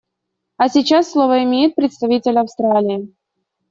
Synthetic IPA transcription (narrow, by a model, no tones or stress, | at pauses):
ɐsʲɪt͡ɕasːlˠovəɪmʲejɪt̪̚pɾʲɪt̪st̪ɐvʲitʲɪlʲɐfst̪ɾalʲɪɪ